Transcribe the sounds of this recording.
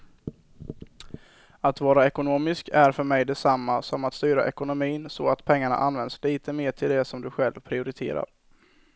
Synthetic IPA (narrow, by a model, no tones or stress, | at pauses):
at̪vɑːɾaɛkʊnoːmɪskæɾfœɾmɛjd̪ɛsamːasɔmat̪st̪yːɾaʔɛkʊnʊmiːnsɔat̪pʰɛŋːaɳa̰ʔanvɛnd̪sliːt̪ʰəmeːʈʰɪld̪ɛsɔmd̪ɵɧɛlvpʰɾɪʊɾɪt̪ʰḛːɾa̰ɾ